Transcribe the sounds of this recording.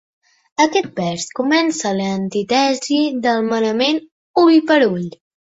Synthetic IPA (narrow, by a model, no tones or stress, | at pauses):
əkɛt̪̚bɛskumɛnsələnt̪it̪ɛziðəlˠmənəmen | ulipəɾuʎ